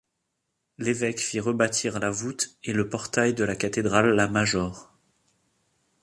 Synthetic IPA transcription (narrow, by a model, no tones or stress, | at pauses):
levɛkfiʁəbat̪ʰiʁlavut̪eləpɔʁt̪ajd̪əlakat̪ed̪ʁalːamaʒɔʁ